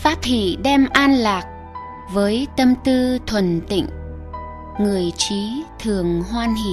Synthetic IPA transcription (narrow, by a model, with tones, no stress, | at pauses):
faː˦˥t̚hḭ˧˨ɗɛ˧mʔaː˧nlaː˨˩k̚ | vəː˨˦jt̪ə˧mt̪ɨ˧t̪ʰwə˨˩nt̪ḭ˧˨ŋ̟ | ŋɨ˨˩əjt͡ɕi˨˦t̪ʰɨ˨˩əŋɦwaː˧nɦḭ˧˨